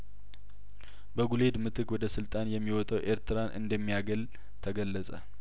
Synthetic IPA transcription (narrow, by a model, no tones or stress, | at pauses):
bəɡule̞d̪mɨt̪ʰɨkwɔd̪əsɨlt̪ʼanjɛmːiwɔt̪ʼəwʔe̞ɾt̪ʰɨɾanʔɨ̰nd̪əmːijaɡəl | t̪ʰəɡəlːəsʼə̰